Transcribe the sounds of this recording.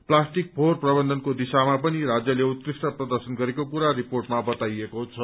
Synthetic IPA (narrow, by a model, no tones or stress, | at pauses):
plasʈik̚pʰorprʌbʌnd̪ʱʌnkod̪isamapʌniɾad͡zjʌleut̪̚krisʈʌprʌd̪ʌrsʌnɡʌɾekokuɾaɾiporʈmabʌt̪ajekoɦt͡sʰʌ